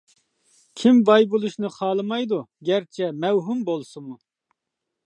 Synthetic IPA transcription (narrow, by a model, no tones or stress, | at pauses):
kʲʰimbɑjbulˠuʃnɨχɑːlˠɨmɑjd̪uɡʲɛɾt͡ʃʰɛmɛwɦumbolˠsɨmu